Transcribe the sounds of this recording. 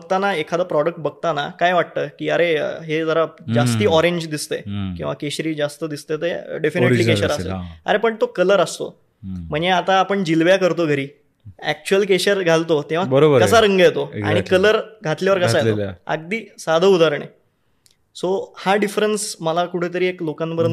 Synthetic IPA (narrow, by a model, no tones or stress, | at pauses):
ɡ̚t̪anaekʰad̪əpɾɔɽək̚ʈ̚bəɡ̚t̪anakajʋaʈ̚t̪əːkiːəɾeɦed͡zəɾad͡ʑast̪iːɔɾeɲd͡ʑd̪ist̪ekĩw̃ʋakeɕɾiːd͡zast̪əd̪ist̪et̪eɖefineliːkeɕəɾasḛə̰ɾepəɳt̪okələɾəst̪o̰ | m̤əɳjeat̪aːpəɳd͡ʑilʋjakəɾt̪oɡʱəɾiː | æk̚t͡ɕuəlkeɕəɾɡʱalt̪ot̪ẽʋ̤abəɾobəɾkəsaɾəŋɡajt̪oa̰ɽ̃ikələɾɡʱat̪ljaʋəɾkəsajeo̰ə̰ɡ̚d̪iːsad̪ʱəud̪aɾɳ̃ḛ | sohaɖifɾənsməlakuʈʰet̪̬əɾiːeklokãnbəɾən